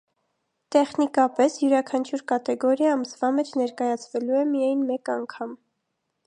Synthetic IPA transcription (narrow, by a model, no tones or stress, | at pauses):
t̪ɛχnikɑpɛsjuɾɑkʰɑnt͡ʃʰjuɾkɑt̪ɛɡɔɾjɑːməsvɑmɛt͡ʃʰnɛɾkɑjɑt͡sʰvɛluɛmijɑjnmɛkɑŋkʰɑm